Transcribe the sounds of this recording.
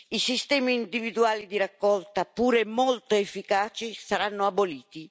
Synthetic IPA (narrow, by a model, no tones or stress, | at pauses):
isist̪ɛːmiːnd̪ivid̪uaːlid̪iɾakːɔlt̪apuːɾemɔlt̪oefːikaːt͡ʃisaɾanːoaboliːt̪i